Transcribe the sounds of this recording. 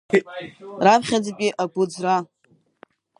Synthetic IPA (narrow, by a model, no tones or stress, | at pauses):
rapʰχʲad͡zpʲʼiʔaɡʷʊd͡zra